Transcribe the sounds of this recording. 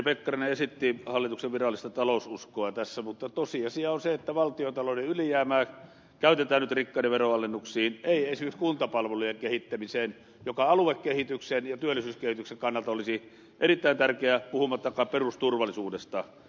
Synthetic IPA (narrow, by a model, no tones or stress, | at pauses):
pekːɑrineesit̪ːihɑlːit̪ukseʋʋirɑlːˑist̪ɑt̪ɑlosuskoɑt̪æsːæmut̪ːɑt̪osiɑsiɑonseet̪ːæʋɑlt̪iot̪ɑloneylijæːmæː | kæˑyt̪et̪æːnyt̪rikːɑineʋeroɑlenːuksiːneˑiesimekskunt̪ɑpɑlʋelujeŋkehit̪ːæmiseːn | jokɑɑluekkehit̪yksenjɑt̪yølːˑisyːskehit̪ykseŋkɑnːɑlt̪ɑolisi | ʔerit̪ːæint̪ærkeæpuhumɑt̪ːɑkɑːperust̪urʋɑlːˑisuːdest̪ɑ